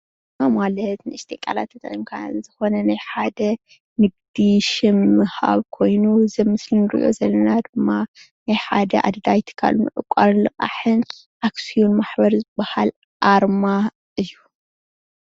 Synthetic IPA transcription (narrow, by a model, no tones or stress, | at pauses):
mamalɐt̪nɨɨst̪ʰekʼa̰la̰t̪ʰɐt̪ʰa̰nkʰa̰zɨxo̞nɐnajħad̪ɐ | nɨɡ̚d̪iʃɪmːɨha̰βkʰo̞jnuzɐmːɨslinɨɾḭʔo̞̰zɐlːɐnad̪ɨmːa | najħad̪ɐʔa̰d̪d̪ajt̪ʰɨ̥kʰa̰lnṵʕɨ̰kʷʼːaɾlɨqʼa̰ħɨn | ʔaksijonmaħbɐɾzɨbːahal | ʔaɾma | ʔɨjːu